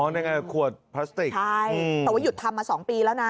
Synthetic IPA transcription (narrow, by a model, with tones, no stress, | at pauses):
ɔ˦˥nja˧ŋa˧˨˩kʰu˨˩ət̪̚pʰaː˦˥st̪i˨˩kt͡ɕʰa˦˥˩jɯ˧˩ɛː˨˩wa˦˥ju˨˩t̪ʰːa˧mːaː˧sɔː˩˦ŋpiː˧lɛː˦˥wna˦˥